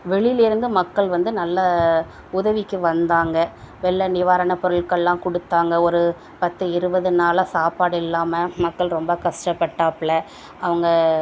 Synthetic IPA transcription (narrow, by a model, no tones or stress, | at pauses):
ʋɛɭɪjlɪɾɯnd̪ɯmɐkːɐɭʋɐnd̪ɯnɐlːɐ | ʊðɐʋɪkːɯʋɐnd̪aːŋɡɐ | ʋɛɭːɐnɪʋaːɾɐɳɐpɔɾɐɭkːɐɭːãːkɔɽɯt̪ːaːŋɡɐɔɾɯ | pɐt̪ːɯɪɾɯbɐðɯnaːlasaːpaːɽɪlːaːmɐmɐkːɐɭɾɔmbɐkɐʂʈɐpːɐʈːaːpɪɭɐ | ɐʋɐŋɡɐ